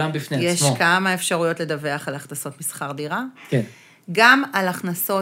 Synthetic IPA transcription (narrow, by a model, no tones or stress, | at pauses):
ambifnejɛʃokamae̞fʃaʁujo̞tle̞dave̞aχalaχnaso̞tmisχaʁdiʁaken | ɡamalaχnaso̞